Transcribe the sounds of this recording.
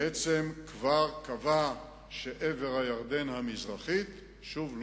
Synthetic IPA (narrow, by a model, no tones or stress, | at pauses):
et͡semkvaʁkava | ʃeʔeve̞ʁhajaʁd̪e̞nhamizʁaχit̪ | ʃuvl